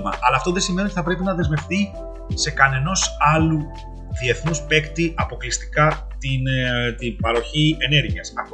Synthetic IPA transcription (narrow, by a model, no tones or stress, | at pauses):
mɐ̰ʔɐlɐːft̪oðesimeonit̪iθɐpɾe̞pinɐðe̞zme̞fθi | se̞kɐne̞no̞sɐlu | ðie̞θnuspe̞kt̪iʔɐpo̞klist̪i̥kɐtt̪int̪ibɐɾo̞çie̞ne̞ɾʝiɐsɐ